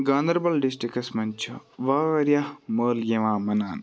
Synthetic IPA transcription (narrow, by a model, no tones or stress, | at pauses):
ɡaːnd̪ɐɾbɐlɖisʈikɐsmɐnt͡ʃʰɐʋaːʋɐɾjaməːljɐʋaːmɐnaːn